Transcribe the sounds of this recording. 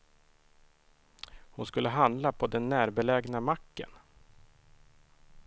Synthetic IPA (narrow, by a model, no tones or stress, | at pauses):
hʊnskɵlːəɦand̪lapʰɔd̪ɛnːæːɾbɛlɛɡnamakːə̰n